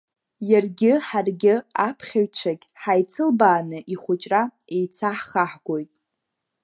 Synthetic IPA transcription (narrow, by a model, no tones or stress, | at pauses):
jarɡʲɪħarɡʲɪapʰχʲaɥt͡ʃʷʰakʲʼħajt͡sʰɨlbaːnɨʔiχʷʊt͡ʃʼra | ejt͡sʰaħχaħɡ̥ʷojtʼ